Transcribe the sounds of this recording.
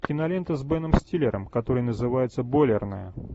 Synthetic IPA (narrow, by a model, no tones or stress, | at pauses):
kʲɪnɐlʲent̪əzbɛnəmsʲtʲilʲɪɾəmkɐt̪o̞ɾɨjnəzɨvajɪt̪səbolʲɪrnəjə̰